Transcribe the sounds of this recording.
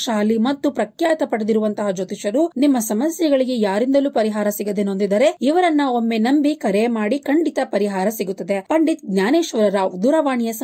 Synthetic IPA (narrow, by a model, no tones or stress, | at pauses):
ʃaːlimɐt̪ːupɾɐkjaːt̪ɐpɐɽɐd̪iɾuʋɐnt̪ɐɦɐd͡ʒot̪iʃɐɾunimːɐsɐmɐsjɐɡɐɭiɡe̞jaːɾind̪ɐluːpɐɾiɦaːɾɐsiɡɐd̪enond̪id̪ɐɾe̞iʋɐɾɐnːɐo̞mːe̞nɐmbikɐɾemaːɽikɐɳɖit̪ɐpɐɾiɦaːɾɐsiɡut̪ːɐd̪epɐɳɖit̪̚ɡnjaːneːʃɐɾɐɾaːʋd̪uɾɐʋaːɳijɐs